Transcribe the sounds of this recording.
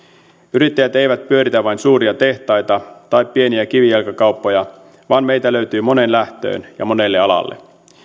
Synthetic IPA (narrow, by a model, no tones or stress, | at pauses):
yɾit̪ːæjæt̪e̞jʋæt̪̚pyøɾit̪æʋɑjnsuːɾiɑt̪e̞ht̪ɑjt̪ɑt̪ɑjpːieniæk̟iʋielkɑkɑwpːojɑ | ʋɑːnmejt̪æløɥt̪yːmo̞ne̞nlæht̪ø̰ːnjɑ̰mo̞ne̞lːeɑlɑ̰lːḛ